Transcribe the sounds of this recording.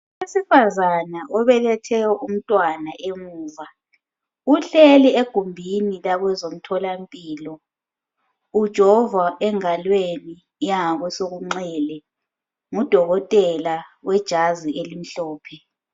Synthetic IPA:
wesifazanaʔɔβɛlɛtʰɛjɔʔum̩tʼwanaʔeŋuːva | uɬelieɡ̥ʱumbʱinilaɣwɛzom̩tʰɔlampʼiːlɔ | ud̥ʒ̥ʱɔvaʔɛŋalweni | jaŋaɣwɛsoɣuŋ͡ǀɛːlɛ | ŋud̥ʱɔɣɔtʼɛlawɛd̥ʒ̥ʱazielim̩ɬɔːpʰɛ

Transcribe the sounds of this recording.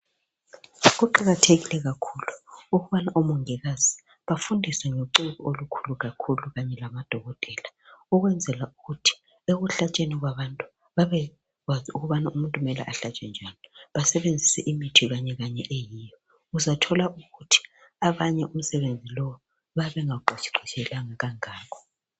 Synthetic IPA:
ɣuǃaɣatʰeɣilɛɣakʰuluuɣuβanaʔɔmuŋɛɣaz̥i̥ | βafundʱisɛŋoǀiβiolukʰuluɣakʰuluɣaɲɛlamad̥ʱɔɣɔtʼɛːlauɣwɛnd͡zʱɛlauɣutʰi̥ | eɣuɬat͡ʃʼeniɣwaβantʼu | βaβɛ | ɣwaziuɣuβanaumuntʼumɛla̰ʔaɬat͡ʃʼɛnd͡ʒʱaniβasɛβend͡zʱisɛʔimitʰiɣaɲɛɣaɲɛʔejijɔ | uzatʰɔlaʔuɣutʰi̥ | aβaɲɛʔum̩sɛβend͡zʱilɔwɔ | βaβɛŋaɡ͡ǃʱɔt͡ʃi̥ǃʱit͡ʃʰɛlaŋaɣaŋaːkʰɔ̥

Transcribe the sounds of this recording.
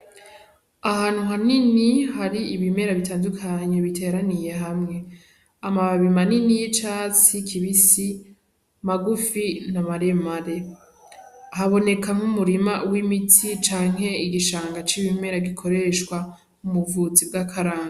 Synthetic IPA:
ahaːn̥uɦaninihaɾiiβime̞ɾaβitaːndukʰaɲe̞βitʰe̞ɾanije̞ɦamŋe̞ | amaβaβimaninijit͡ʃaːt͡sikʰiβisi | maɡufinamaɾe̞maɾe̞ | haβo̞ne̞kʰaŋ̥umuɾimawimitʰit͡ʃaːŋ̥ɦe̞iɡiʃaːŋɡat͡ʃiβime̞ɾaɡikʰo̞ɾe̞ʃkwa | umuvut͡sib̚ɡakʰaɾaːŋɡa

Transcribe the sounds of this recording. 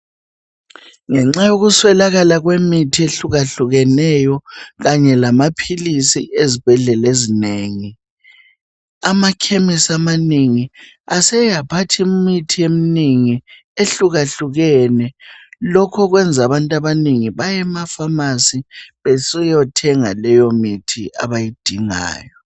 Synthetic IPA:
ŋɛŋ͡ǁajoɣuswɛlaɣalaɣwemitʰieɬuɣaɬuɣɛnɛjɔɣaɲɛlamapʰilisḭʔezib̥ʱɛɮɛlezineːŋi | amakʰemisamaniŋi | asɛjapʰatʰimitʰieminiŋi | eɬuɣaɬuɣɛnɛlɔkʰɔɣwɛnd͡zʱaβantʼaβaniŋiβajɛmafamasiβesijɔtʰɛŋalɛjomitʰia̰βajid̥ʱiŋa̰ːjɔ

